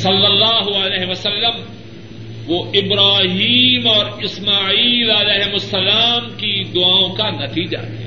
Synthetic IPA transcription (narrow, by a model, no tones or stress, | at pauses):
sɐlːɐlːaːɦʊɐleːɦʋɐsɐlːəm | ʋoɪbɾaːɦiːmɔːɾɪsmaːiːlɐleːɦɪmʊsːɐlaːmkid̪ʊaːõkanɐt̪iːd͡ʒa̰ɾa